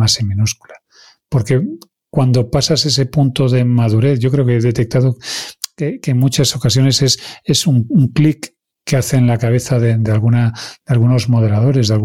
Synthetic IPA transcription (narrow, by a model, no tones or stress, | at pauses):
asemĩnuskula | po̞ɾke̞ | kwand̪o̞pasase̞s̬e̞punt̪o̞ðe̞maðuɾe̞θʝo̞k̬ɾeokeeðe̞t̪e̞k̚t̪aðokekenmut͡ʃaso̞kasjo̞ne̞se̞se̞suŋuŋklikː | eaθe̞nlakaβ̞e̞θaðed̪ealɣunad̪ealɣuno̞zmo̞ð̞e̞lað̞o̞ɾe̞zðalɣ